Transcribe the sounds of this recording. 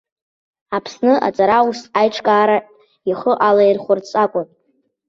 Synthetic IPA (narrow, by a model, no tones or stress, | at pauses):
apʰsnɨʔa̰t͡sʼaɾausajʈ͡ʂʰʼkʼaːɾa | iχəʔalajrχʷʊrt͡sʼakʷʼʊn